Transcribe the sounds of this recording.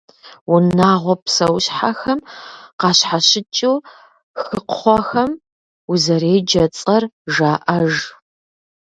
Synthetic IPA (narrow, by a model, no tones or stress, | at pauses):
wʊnaːʁʷɔpsɐwɕħaxɐmqɑːɕħaɕɪt͡ʃʼuw | xɨqχʷɔxɐm | uzɐɾeːd͡ʒɐt͡sʼɐrʒaːʔɐʒ